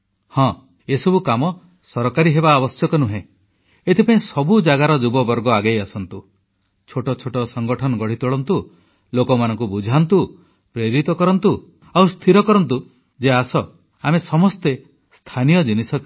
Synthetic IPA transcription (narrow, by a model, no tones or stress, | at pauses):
hɔ̃ | esɔbukamɔ | sɔɾkaɾiɦebaːbɔsjɔkɔnuɦẽ | et̪ʰipaĩsɔbud͡ʒaɡaɾɔd͡ʒubɔbɔɾɡɔaɡajasɔnt̪u | t͡ʃʰoʈɔt͡ʃʰoʈɔsɔŋɡɔʈʰɔnɔɡɔɽ̤it̪uɭɔnt̪u | lokɔmanɔŋk̬ubud͡ʒʱant̪u | pɾeɾit̪ɔkɔɾɔnt̪u | awst̪ʰiɾɔkɔɾɔnt̪u | d͡ʒeasɔ | amesɔmɔst̪e | st̪ʰanijɔd͡ʒinisɔ